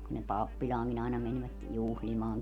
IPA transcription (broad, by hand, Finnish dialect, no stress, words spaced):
kun ne pɑpːilʲɑːŋkin ɑinɑ menʋæt juhlimɑːŋ